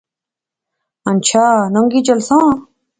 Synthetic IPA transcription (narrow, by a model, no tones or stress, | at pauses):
ɐnt͡ɕʰaːnoŋɡit͡ɕɐlsãː